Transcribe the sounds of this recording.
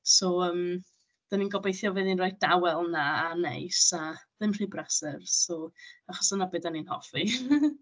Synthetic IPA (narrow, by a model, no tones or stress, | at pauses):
sɔəːm | d̥aninɡɔbejθjɔvɛðinrɔjd̥awɛlˠnaːnḛjsaðɪmr̥iːbrasɛrsɔaχɔ̥sənabɨːdaninhɔ̰fi